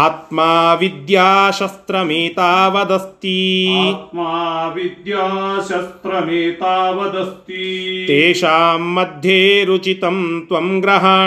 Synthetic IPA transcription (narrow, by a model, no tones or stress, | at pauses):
aːt̪maːʋid̪jaːʃɐst̪ɾɐmiːt̪aːʋɐd̪ɐst̪it̪̚maːʋid̪jaːʃɐst̪ɾɐmeːt̪aːʋɐd̪ɐst̪it̪eːʃaːmːɐd̪ʱjeːɾut͡ʃit̪ɐmt̪ʋɐmɡɾɐɦaː